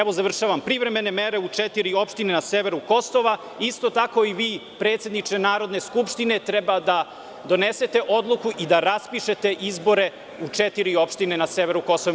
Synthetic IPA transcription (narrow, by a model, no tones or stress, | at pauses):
ɛʋo̞zaʋr̩ʃaʋampɾiʋɾe̞me̞nemeɾe̞ut͡ʂɛt̪iɾio̞pʃt̪inenaseʋeɾuko̞so̞ʋa | ist̪ot̪ako̞iʋiːpɾe̞ːt̪sje̞d̪nit͡ʃnenaːɾo̞d̪ne̞skupʃt̪ine̞t̪ɾɛbad̪a | d̪o̞nese̞t̪e̞ʔo̞d̪lˠukuʔid̪aɾaspiʃe̞t̪e̞ʔizbo̞ɾe̞ | ut͡ʂɛt̪iɾio̞pʃt̪inenaseʋeɾuko̞soʋ